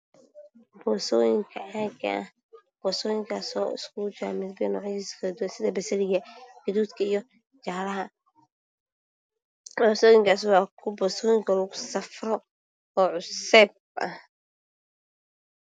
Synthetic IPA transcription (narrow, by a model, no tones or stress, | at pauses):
bɔːsɔːjɪŋkʰɐʕaːɡɐ̰ʔɐh | b̥ɔːsɔːjɪŋkʰaːsɔːɪ̰skʰʊt͡ʃamɪd̪bɛnɔːʕjiskʰɐlɐd̪wɐnsɪðɐbɐsɐlɪɣɐɡ̥ɐðuːd̪kʰɐijɔ | t͡ʃaːɾɐɦɐ | bɔsɔːjɪŋkʰaːs̬wɑːkʰʊbɔːsɔːjɪŋkʰɐlʊɣʊsɐfrɔ | ɔːʕʊsɛb̚ | ʔɐ̰h